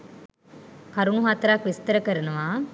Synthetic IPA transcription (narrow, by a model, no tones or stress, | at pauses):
kɐɾunuɦat̪ɐɾaːkʋist̪ɐɾɐkɐɾɐnɐʋaː